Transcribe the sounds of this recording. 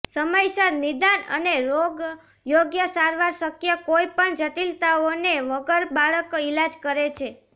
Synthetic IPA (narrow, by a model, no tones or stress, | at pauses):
səməjsaɾnid̪anə̰neɾoɡ | joɡjəsaɾʋaɾsəkjəkojpəɳd͡ʒəʈilt̪aoneʋəɡəɾbaɭəkilad͡ʒkəɾet͡ʃʰe